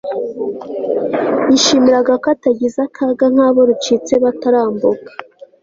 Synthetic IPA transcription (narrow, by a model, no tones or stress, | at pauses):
jiʃimiɾaɡakataɟizakʰaːɡaŋ̥haːβo̞ɾut͡ʃit͡se̞βataɾaːmbukḁ